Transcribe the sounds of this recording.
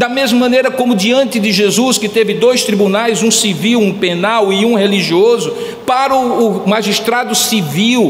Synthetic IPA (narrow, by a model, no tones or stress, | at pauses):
d̪ɐmezmɐmɐ̃nejɾɐkõmʊd͡ʒiɐ̃nt̪ɪd̪ɪʒezuskɪt̪evɪd̪ojst̪ɾibunajzũsiviwũpenawɪũheliʒiɔzʊ | paɾɐːmaʒiʃt̪ɾad̪ʊsiviw